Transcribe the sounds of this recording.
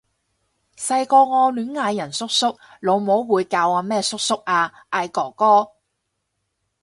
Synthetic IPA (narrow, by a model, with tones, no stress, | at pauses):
sɐ˧jkɔː˧ŋɔː˧lyː˨˥nŋaː˧jːɐ˨˩nsʊ˥k̚sʊ˥k̚lo˨˧wmo˨˥wwuː˨˧jkaː˧waː˧mɛː˥˩sʊ˥k̚sʊ˥k̚aː˧ʔaː˧jkɔː˨˩kɔː˥